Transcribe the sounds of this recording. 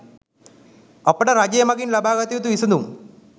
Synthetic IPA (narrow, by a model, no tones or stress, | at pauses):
ɐpːɐəʈəɾad͡ʑɐjɐmɐɡinlɐbaːɡɐt̪ijut̪uʋisɐnd̪um